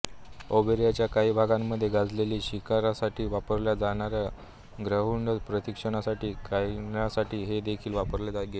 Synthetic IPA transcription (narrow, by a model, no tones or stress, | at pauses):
obeɾjat͡ɕjakaɦiːbʱaɡamːəd̪ʱːjeɡad͡zleliːɕikaɾasaʈʰiːʋapəɾljad͡zaɽ̃aɾja | ɡɾəɦuɳɖəpɾət̪ikʂəɳ̃asaʈiːkajnasaʈʰiːɦed̪ekʰiːlʋapəɾled͡zaɡe